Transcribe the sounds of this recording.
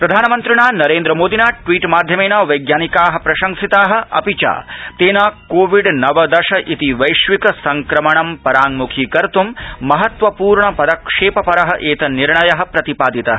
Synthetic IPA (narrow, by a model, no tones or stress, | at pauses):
pɾɐd̪ʱaːnɐmɐnt̪ɾiɳaːnɐɾeːnd̪ɾɐmoːd̪ʱinaːʈʋiːʈmaːd̪ʱjɐmeːnɐʋɐjɡjaːnikaːɦɐ̆pɾɐʃɐŋsit̪aːɦɐ̆ɐ̰pit͡ʃa̰ːt̪eːnaːkoːʋiɖnɐʋɐd̪ɐʃɐʔit̪iʋɐjʃʋikɐsɐŋkɾɐmɐɳɐmpɐɾaːŋmukʰikɐɾt̪ummɐɦɐt̪ʋɐpuːɾɳɐpɐd̪ɐkʂeːpɐpɐɾɐɦɐ̆ʔeːt̪ɐniɾɳɐjɐɦɐ̆pɾɐt̪ipaːd̪it̪ɐɦɐ